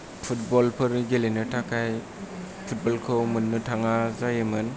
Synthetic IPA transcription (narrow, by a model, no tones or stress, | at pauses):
pʰutbɔlpʰɯɾɡelenɯtʰakʰaj | pʰut̚bɔlkʰɯwmɯnːɯtʰaŋazajɯmɯn